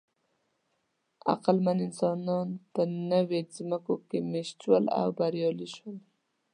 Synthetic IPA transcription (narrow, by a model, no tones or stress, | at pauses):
a̰qalmanɪnsɑnɑnt̪ənəwezməkokemeʃt̪wəla̰wbaɾjɑliʃwəl